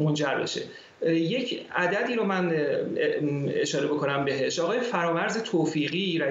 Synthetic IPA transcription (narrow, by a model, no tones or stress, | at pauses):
mo̞nd͡ʒæɾbe̞̰ʃe̞̰ | je̞cʰæd̪æd̪iːɾomæn | ḛʃɒːɾebo̞kʰo̞næmbe̞ɦe̞ʃɒːɣɒːjefæɾɒːvæɾze̞t̪ʰoːfiːɣiːɾæ